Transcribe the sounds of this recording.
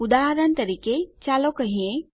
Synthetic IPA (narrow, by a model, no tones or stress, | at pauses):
ʊd̪aːɦəɾənt̪ɐɾiːket͡ʃaːlokɐɦiẽ